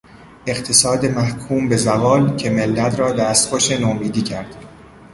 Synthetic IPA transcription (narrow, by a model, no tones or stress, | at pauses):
e̞qt̪ʰe̞sɒːd̪emæhkʰuːmbe̞zævɒːlcʰe̞me̞lːæt̪ʰɾɒːd̪æst̪ɡoʃe̞nomiːd̪iːcʰæɾd̪̥